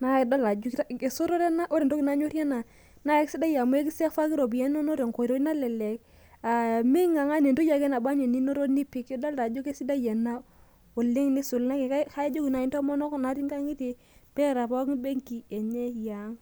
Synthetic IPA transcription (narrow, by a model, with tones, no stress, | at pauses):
na˦e˨da˦la˨d͡ʒu˦ka˦ke˨so˦ɾo˦ɾɛ˦na˦ʔo˦ɾe˨do˦ki˨na˨˦ɲo˦ɾja˦na˨ | na˦jksi˦da˦ja˨mu˦e˦k̬i˦se˦fa˦ki˦ɾo˨bi˨jɛ˦no˦no˦ɾe˨ŋko˨ɾo˦na˦lɛ˨le˨k | a˨mi˦ŋa˨ŋa˦ne˨ndu˦ja˨ɡe˦na˨ba˦ɲe˨ni˦no˦ɾo˦ni˦pi˦kjɔ˦da˦lta˨d͡ʒo˦ke˦si˦da˦jɛ˨na˦ | o˨le˦ŋni˦su˨lna˦ke˨kka˦d͡ʒo˦ki˨na˨i˨˦ntɔ˦mɔ˦nɔ˦kna˨˦ɾi˦ŋɡa˦ŋi˦ti˨ | pɛ˦˨ɾa˨pa˦ki˦be˦ŋki˨ɛ˨ɲe˦ja˨˦ŋ